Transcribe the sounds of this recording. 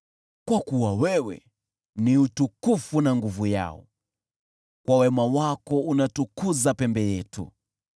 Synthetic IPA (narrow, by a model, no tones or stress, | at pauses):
kwakuwawɛwɛ̰ | niutukufunaŋɡuvuja̰ɔ̰ | kwʔawɛmawakɔunatukuzapɛmbɛjɛtṵ